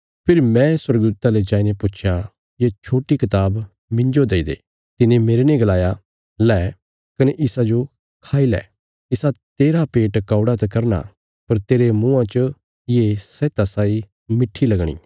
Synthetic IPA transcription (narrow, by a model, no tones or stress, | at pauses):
pʰɪɾmɛ̃swɐɾəɡd̪uːt̪aled͡ʒaːinepʊt͡ʃʰjã | jet͡ʃʰoːʈikɪt̪aːb | mɪ̃ɲd͡ʒod̪eːid̪ḛː | t̪ɪnẽmeːɾenẽɡɐlaːja | lɛː | kɐneʔɪsad͡ʒo | kʰaːilɛ̰ː | ɪsat̪eːɾapeːʈkaːʊɽat̪ekɐɾna̰ | pɐɾt̪eːɾemũːãt͡ʃə | jesɛːt̪asaːi | mɪʈʰːilɐɡɽ̃ḭː